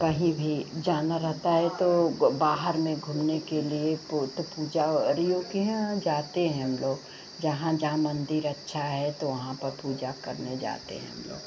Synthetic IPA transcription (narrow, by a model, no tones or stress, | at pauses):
kɐɦĩbʱid͡ʒaːnaɾɐɦt̪aɦɛt̪obaːɦəɾmẽɡʱʊmnekeliept̪puːd͡ʒaɾijoːɡjãd͡ʒaːt̪eɦɛ̃ɦɐmloːɡ | d͡ʒɐɦãd͡ʒɐɦãmɐ̃nd̪ɪɾɐtːʃʰaɦɛt̪oʋɐɦãpɐɾpuːd͡ʒakɐɾned͡ʒa̰ːt̪ḛɦɛ̰̃ɦɐ̰mlo̰ːɡ